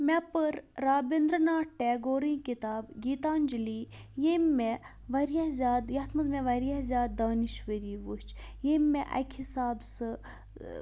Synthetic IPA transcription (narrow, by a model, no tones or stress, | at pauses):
mɛpəɾːaːbend̪ɾnaːʈʈɛːɡoːɾĩːkit̪aːbɡiːt̪aːnd͡ʒiliːjemːe | ʋɐɾijazʲaːd̪jɐt̪ʰmɐzmɛʋɐɾijazʲaːd̪̚d̪aːniʃʋəɾiːʋut͡ʃjemːeʔɐ̰kʰisaːbsɨ